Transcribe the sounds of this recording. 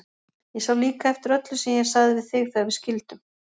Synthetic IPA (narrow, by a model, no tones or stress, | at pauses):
jɛsawliːkaɛft̪ɪɾœt̪lʏsɛmjɛɣsaɣðɪvɪðθɪɣθavɪðscɪlt̪ʏm